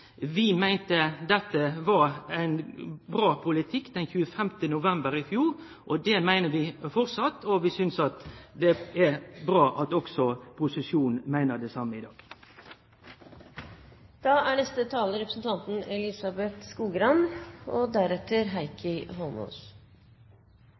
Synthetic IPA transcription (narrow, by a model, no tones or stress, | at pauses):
ʋɪmæɪnt̪əd̪ɛt̪ːəʋɑɾæɪnbɾɑːpʰʊlɪt̪ʰɪkːd̪ɛnçʉːəfɛmt̪ənʊʋɛmbəɾɪfjuːɾ | ʔɔd̪ɛmæɪnəʋɪfɔɾtsɑt̪ːɔʋɪsʏnsɑt̪d̪ɛɛbɾɑːʔɑt̪ɔksɔpʰʊsɪsjuːnn̩mæɪnəd̪ɛsɑmːəɪd̪ɑːɡ̥ | d̪̥ɑːæɳɛst̪ət̪ʰɑːləɾɛpɾəsn̩t̪ʰɑnt̪n̩ɛlɪsɑbɛt̪skuːɡɾɑnɔd̪æɾɛt̪ːəɾɦæɪkʰəɦɔlmɔ̰ːs